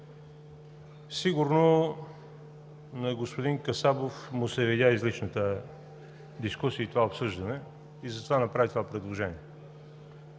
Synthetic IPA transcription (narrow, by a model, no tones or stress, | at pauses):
siɡʊɾno | nɐɡospod̪iŋkɐsabofmʊsɛvid̪ʲjaizlit͡ʃnət̪ə | d̪iskusiəit̪ovaopsɤʒd̪ənɛ | izɐt̪ovanɐpɾavit̪ovapɾɛd̪lˠoʒɛniɛ